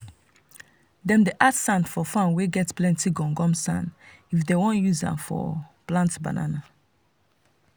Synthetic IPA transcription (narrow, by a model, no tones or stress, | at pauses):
dɛ̃mdeʔasãnfɔfãnweɡɛtplɛ̃ntiɡɔ̃ŋɡɔ̃msã̰nifdewõnjuzã̰mfɔ̰plãntba̰na̰na